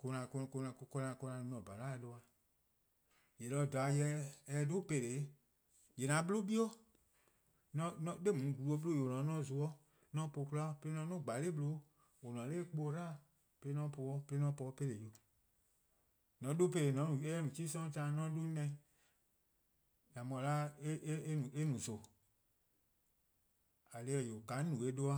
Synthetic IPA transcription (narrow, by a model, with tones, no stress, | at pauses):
ko˧nã˨˧kko˧nã˨˧kɔ˧nã˨˧˨kɔ˧nã˧n˧nɔ̃˨ba˨ɾa˦ɛ˧do˧a˧ | jɛ˨lɔ˧˦˨da˨˧jɛ˧˦ɛ˧do˦pe˧˨ɾe˨˦ | jɛ˨nã˨˦bɨ˦lo˦bi˦ɔ˦ | nɔ̃˧˦nɔ̃˧˦de˦˨mũ˨ɡu˨u˧o˧˦blo˦˨o˨o˨nɔ̃˨˦nɔ̃˦˨zu˧ɔ˦ | nɔ̃˧˦po˧˨ku˦la˦˨˦pe˧e˦nɔ̃˧˦nɔ̃˦˨ɡ͡ba˨le˦bɨ˧lo˧˦ | wo˨nɔ̃˨˦leː˦k͡po˧˦ɾaː˦ | pe˧le˦nɔ̃˦po˧˦ɔ˦pe˧le˦nɔ̃˧˦pɔ˧˦pe˧le˨jo˨ | nɔ̃˨˦do˦pe˧le˨nɔ̃˨˦nũ˨e˦ɛ˦nũ˨t͡ʃi˦sɔ̃˦tãː˦˨˦nɔ̃˦du˦nɛ̃˧˨˦ | nã˨mɔ̃˨la˦e˦e˦e˦nũ˨e˦nũ˨so˨ | a˨le˧ɛ˨jo˨ka˨˦nũ˨e˨˦do˦a˦